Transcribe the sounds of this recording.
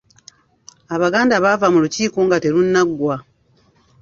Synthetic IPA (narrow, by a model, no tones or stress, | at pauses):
aβaɡaːndaβavamuluciːkuːŋɡate̞ɾunːaɡːwa